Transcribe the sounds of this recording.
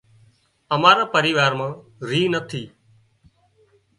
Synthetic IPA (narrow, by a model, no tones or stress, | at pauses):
əmaːɾaːpəɾiːʋaːɾmãːɾiːnət̪ʰiː